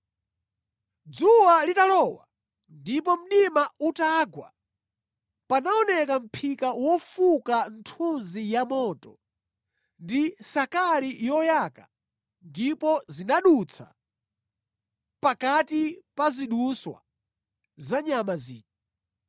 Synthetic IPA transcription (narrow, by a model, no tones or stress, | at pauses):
d͡zuwalitalɔwa̰ | ndipɔm̩ɗimautaɡwa̰ | panaɔnɛkam̩pʰikawɔfukan̩tʰunzijamɔːtɔ | ndisakalijɔjaka | ndipɔzinaɗut͡sʰa̰ | pakatipaziɗuswa̰ | zaɲamaziːkɛ